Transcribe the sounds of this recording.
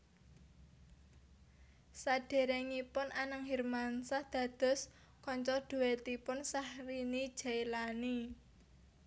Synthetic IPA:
saɖ̥e̤ɾeŋipʊnʔanəŋɦirmansahd̪̥ä̤d̪̥ɔ̤s | kɔɲt͡ʃɔd̪̥ṳwet̪ipʊnsahrinid̥ʒ̥ailani

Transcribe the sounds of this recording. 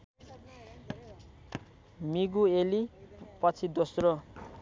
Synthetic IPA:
miɡuelipʌt͡sʰid̪osro

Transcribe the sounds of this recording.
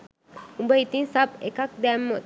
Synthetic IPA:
umbəit̪insapekak̚d̪ɛmːə

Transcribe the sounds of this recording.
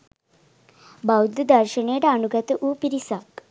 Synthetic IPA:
bawd̪əd̪əɾɕəɳeʈaɳuɡat̪ʔupiɾisak

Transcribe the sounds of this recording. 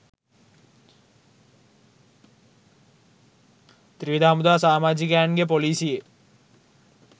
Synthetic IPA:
t̪ɾiʋid̪aːmud̪aːsaːmaːd͡ʒikanɡep̬oliːsije

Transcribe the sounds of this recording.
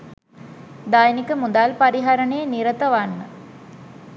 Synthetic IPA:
d̪aːjnikəmud̪aːlpaɾiɦaɾəɳeːniɾət̪ɐʋanːə

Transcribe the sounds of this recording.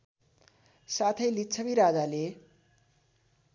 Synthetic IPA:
sat̪ʰʌjlitːt͡sʰʌbiɾad͡zale

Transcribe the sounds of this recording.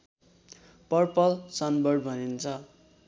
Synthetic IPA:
pʌrpʌlsʌnbʌɽbʱʌnint͡sʰʌ

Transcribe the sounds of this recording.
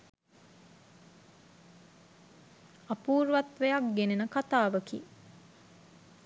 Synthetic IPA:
apuːɾʋat̪ʋejakɡenenəkat̪aːʋəkḭ

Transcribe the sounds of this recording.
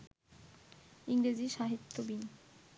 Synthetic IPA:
iŋɾed͡ʑiʃaɦit̪ʰːobin

